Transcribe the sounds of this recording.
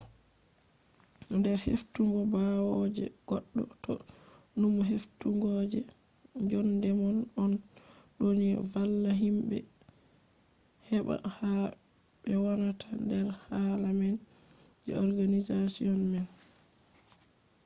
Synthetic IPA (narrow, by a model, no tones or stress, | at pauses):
ndɛɾhḛftuŋɡɔbawɔd͡ʒɛ̰ɡ̥ɔɗːɔtʰɔ | numɦeftuŋɡɔd͡ʒɛ | d͡ʒɔndɛmɔnɔn | ɗonḭvalːaɦimbɛ̰ | hɛɓa̰ha | ɓɛwanatʰandɛɾhalamɛn | d͡ʒɛ̰ɔɾɡanizasijɔnmɛn